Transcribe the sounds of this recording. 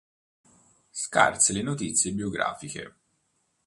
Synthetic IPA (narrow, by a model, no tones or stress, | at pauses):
ska̰rselenot̪it̪sːjebioɡɾa̰ːfikḛ